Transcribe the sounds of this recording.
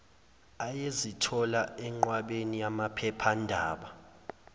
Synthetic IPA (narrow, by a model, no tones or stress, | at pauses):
ajezitʰɔlaɛŋ͡ǃwaɓenijamapʰɛpʰandʱaːɓa